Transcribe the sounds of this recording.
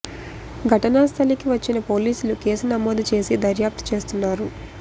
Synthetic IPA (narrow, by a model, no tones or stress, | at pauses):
ɡʱɐʈɐnaːst̪ʰɐlikiʋɐt͡ʃːinɐpo̞ːliːsuluke̞ːsunɐmoːd̪ut͡ʃe̞ːsid̪ɐɾjaːp̚t̪u̥t͡ʃe̞ːst̪unːaːɾu